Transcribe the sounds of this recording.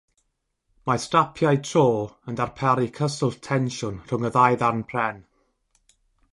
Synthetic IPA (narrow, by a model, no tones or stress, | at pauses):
mastapʰjajtʰroːəndarpʰɛɾikʰəsʊlˠtʰɛnʃʊnr̥ʊŋəðajðarnpʰrɛn